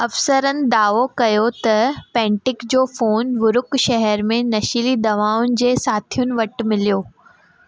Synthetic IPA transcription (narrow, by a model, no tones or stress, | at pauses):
ɐfsəɾənɪ̆d̪aːʋokɐjot̪ɐpɛ̃ːɳʈɪkd͡ʑoːfoːnʋʊɾʊkʃɐɦɛɾmẽnɐʃilid̪ɐʋaːʊnɪ̆d͡ʑeːsaːt̪ʰijʊnɪ̆ʋɐʈmɪlijoː